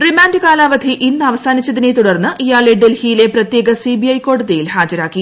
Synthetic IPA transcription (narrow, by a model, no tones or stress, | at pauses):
rimaːndɨkaːlaːʋɐd̪ʱiʔinːɨɐʋɐsaːnit͡ɕːɐðine̞t̪uɽɐrnːɨʔijaːɭeɖelhijile̞prɐt̪je̞ːɡɐsibiɐjko̞ːɽuðejilhaːd͡ʑɐɾaːkːi